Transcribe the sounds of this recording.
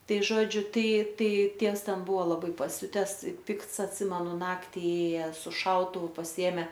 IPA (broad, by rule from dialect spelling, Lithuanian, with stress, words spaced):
ˈtɐɪ ˈʒoːd͡ʒʲʊ ˈtɐɪ ˈtɐɪ ˈtʲiɛws ˈtʲɛn ˈbʊʋoː lˠɐˈbɐɪ pɐˈsʲʊtʲɛs ɪ ˈpʲɪkts ɐtʲˈsʲɪmʲɛnʊ ˈnɑːktʲɪ ˈeːjɛ sʊ ˈʃɐʊtʊʋʊ pɐsʲɪˈeːmʲɛ